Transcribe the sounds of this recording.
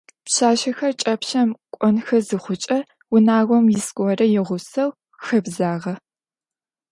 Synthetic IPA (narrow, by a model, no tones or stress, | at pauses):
pɕaːʃɐxɐrt͡ʃʼɐpɕɐmkʷʼɔnxɐzɨχʷʊt͡ʃʼɐ | wʊnaːɣʷɔmjɪskʷʼɔrɐjɪʁʷʊsɐw | xɐbzaːʁɐ